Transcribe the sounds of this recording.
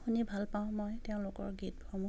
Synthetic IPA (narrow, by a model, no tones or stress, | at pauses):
xunibʱalpaʊ̃mɔjteʊ̃lʊkɔ̰ɹɡit̚bʱɔmu